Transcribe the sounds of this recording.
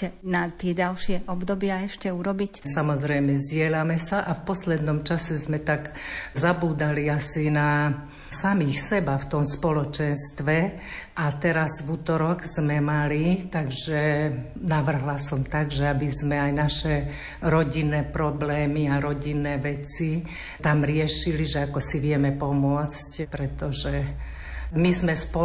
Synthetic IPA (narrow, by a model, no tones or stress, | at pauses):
ɛnat̪ɪɛɟalʃɪɛʔɔbd̪ɔbɪaɛʃcɛuɾɔbicsamɔzɾɛjmɛzɟɪɛlamɛsaʔafpɔslɛd̪nɔmt͡ʃasɛzmɛt̪aɡzabuːd̪aliasina | samixsɛbaft̪ɔmspɔlɔt͡ʃɛnst̪ʋɛ | ʔat̪ɛɾazvut̪ɔɾɔɡz̥mɛmalit̪aɡʒɛ | naʋr̩ɦlasɔmt̪aɡʒɛabizmɛajnaʃɛ | ɾɔɟinːɛːpɾɔblɛːmiaɾɔɟinːɛːʋɛt͡si | t̪amɾɪɛʃiliʒɛakɔsiʋɪɛmɛpɔmʊɔt͡scpɾɛt̪ɔʒɛ | mizmɛspɔ